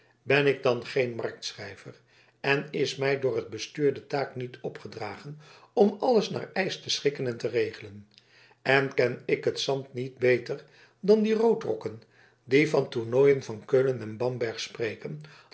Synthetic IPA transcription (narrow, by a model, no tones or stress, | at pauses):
bɛnɪɡ̚dɑnχejnmɑɹk̚tsrɛjvər | ɛnɪsmɛjdʊːrɦəd̚bəstyːɹdətaːknitɔpχədraːχən | ɔmɑləsna̰ːɹɛjstəsχɪkənɛntərejχələn | ɛnkɛnɪkɦətsɑntnid̚bejtər | dɑndirowtrɔ̰kən | divɑntuɹnojənvɑnkøːlənɛnbɑmbɛɹχsprejkən